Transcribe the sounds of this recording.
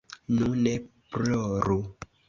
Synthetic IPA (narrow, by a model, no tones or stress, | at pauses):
nũnɛpɾɔɾo